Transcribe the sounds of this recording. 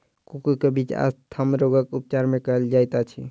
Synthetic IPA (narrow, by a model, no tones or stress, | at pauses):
kukukebit͡ʃa̰st̪ʰamɾoɡəkup̚t͡ʃaɾmẽkəld͡ʒajt̪at͡ʃʰi